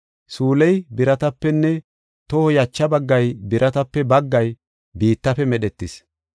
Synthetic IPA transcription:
suːlɛjbɪɾɐt̪ɐpːɛnːɛ | t̪ɔhɔjɐt͡ʃːɐbɐɡːɐjbɪɾʔɐt̪ɐpːɛbɐɡːɐj | biːt̪ːɐfɛmɛɗɛt̪ːɪs

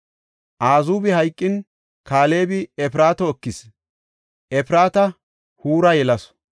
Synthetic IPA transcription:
ʔaːzuːbɪhɐjkʼːɪn | kaːle̞ːbɪɛpɪɾaːt̪ɔɔkːɪs | ʔɛpɪɾaːt̪ɐ | huːɾɐjɛlɐs

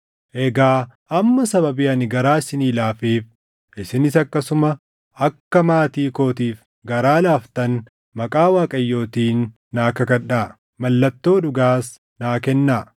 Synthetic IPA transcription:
ʔɛɡaː | ɐmːɐsɐbɐbɪɐnɪɡɐɾaːɪsɪniːlaːfeːf | ʔɪsɪnɪsɐkːɐsʊmɐ | ɐkːɐmaːt̪iːko̞ːt̪iːf | ɡɐɾaːlaːft̪ɐn | mɐkʼaːwaːkʼɐjːo̞ːt̪iːnː | aːkɐkɐᶑaː | mɐlːɐt̪ːo̞ːᶑʊɡaːs | naːkɛnːaː

